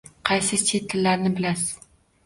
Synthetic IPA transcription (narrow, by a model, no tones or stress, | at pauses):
qʰɑjsɪset̪ʰːɪlːaɾnɪbɪlasɪ̥